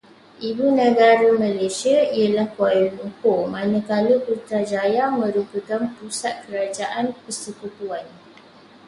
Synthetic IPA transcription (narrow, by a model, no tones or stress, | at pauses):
ʔibunə̃ɡaɾamãlasiaijəlahkuajunukomãnə̃kaləput̪ɾad͡ʒajamə̃ɾupəkanpusat̪̚kəɾad͡ʒaʔanpəsəkut̪uan